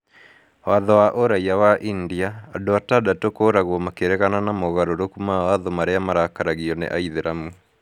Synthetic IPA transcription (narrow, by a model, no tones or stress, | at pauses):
waðɔwaʔoɾaiawaʔindiaːdoatadatokoɾaɣɔmakeɾɛɣananamoɣaɾoɾokumaaðomaɾeamaɾakaɾaɣiɔnḛʔaiðeɾamu